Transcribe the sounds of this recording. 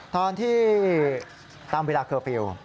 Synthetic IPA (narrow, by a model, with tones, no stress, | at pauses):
t̪ɔː˧nt̪ʰiː˥˩ | t̪aː˧mweː˧laː˧kʰɤː˧˩fi˧w